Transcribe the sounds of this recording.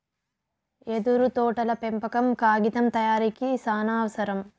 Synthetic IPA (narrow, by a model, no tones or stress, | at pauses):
ed̪uɾut̪ɔːʈɐlɐpempɐkɐmkaːɡit̪ɐmt̪ɐjaːɾikisaːnaːʋɐsɐɾɐm